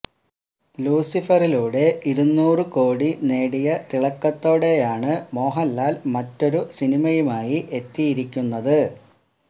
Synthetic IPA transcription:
luːsifɐriluːɽe̞ʔiɾunːuːrɨko̞ːɽine̞ːɽijɐt̪iɭɐkːɐt̪ːo̞ːɽe̞jaːɳɨmo̞ːɦɐlːaːlmɐtːo̞ɾusinimɐjumaːjiʔe̞t̪ːijiɾikʲːunːɐðɨ

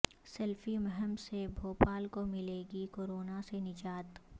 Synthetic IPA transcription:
sɐlfimɐɦəmsebʱoːpaːlkomɪleːɡikoːɾoːnasenɪd͡ʒaːt̪

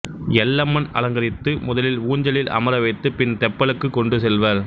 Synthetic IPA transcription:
jɛlːɐmːɐnɐ̰lɐŋɡɐɾɪt̪ːɯmʊðɐlɪluːɲd͡ʒɐlɪlʔɐ̰mɐɾɐʋɐɪt̪ːɯpɪnt̪ɛpːɐɭɯkːɯkːɔɳɖɯsɛlʋɐɾ

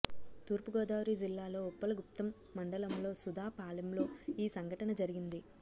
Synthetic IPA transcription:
t̪uːɾpuɡɔːd̪aːɾud͡ʒilːaːlo̞ːɔpːɐlɐɡup̚t̪ɐmːɐɳɖɐlɐmlo̞ːsud̪ʱaːpaːlɐmlo̞ːiːsɐŋɡʱɐʈɐnɐd͡ʒɐɾiɡind̪i

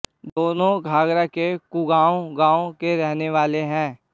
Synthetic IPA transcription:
d̪oːnõɡʱaːɡɾakekuɡaːõɡãːõkeɾɛɦneʋaːleɦɛ̃ː

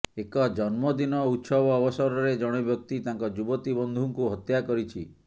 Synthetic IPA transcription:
ekɔd͡ʒɔnmɔd̪inɔut̪sɔbɔːbɔsɔɾɔɾed͡ʒɔɽ̃ɔbjɔk̚t̪it̪aŋkɔd͡ʒubɔt̪ibɔnd̪ʱuŋkuɦɔt̪jakɔɾit͡ʃʰi

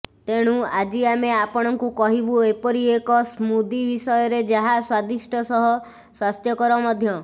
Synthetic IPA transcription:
t̪eɽ̃uad͡ʒiameapɔɽ̃ɔŋkukɔɦibuepɔɾiekɔsmud̪ibisɔjɔɾed͡ʒaɦaswad̪isʈʰɔsɔɦɔ | swast̪ʰjɔkɔɾɔmɔd̪ʱjɔ

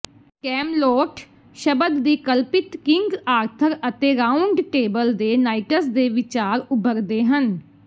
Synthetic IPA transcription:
kɛːmloːʈ | ʃəbəd̪ːiːkəlpɪt̪kɪŋɡaːɾt̪ʰəɾət̪eːɾaːʊɳɖʈeːbəld̪eːnaːiʈəsd̪eːʋɪt͡ʃaːɾʊbəɾd̪eːɦən

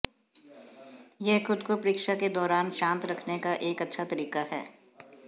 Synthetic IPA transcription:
jɛɦxʊd̪kopɾɪːkʃaked̪ɔːɾaːnʃãːnt̪ɾɐkʰnekaʔeːkɐtːʃʰat̪ɐɾiːkaɦɛ̰ː

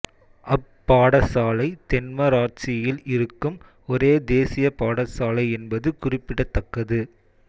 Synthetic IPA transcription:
ʔɐpːaːɽɐsaːlɐɪt̪ɛnmɐɾaːʈ̚t͡ʃɪjɪlɪɾɯkːɯm | ɔɾeːd̪eːsɪjɐpaːɽɐsaːlɐɪɛnbɐðɯkʊrɪpːɪɽɐt̪ːɐkːɐðɯ

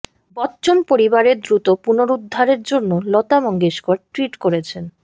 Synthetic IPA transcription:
bɔtːɕonpoɾibaɾeɾd̪ɾut̪opunoɾud̪ʱːaɾeɾd͡ʑonːolɔt̪amɔŋɡeʃkoɾʈɾiʈkoɾet͡ɕʰen

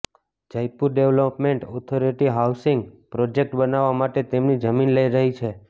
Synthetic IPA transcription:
d͡ʒəjpuɾɖeʋlopmeɳʈɔt̪ʰoɾiʈiɦawsɪŋɡpɾɔd͡ʒek̚ʈbənaʋːamaʈet̪emnid͡ʒəminləiɾəɦit͡ʃʰe

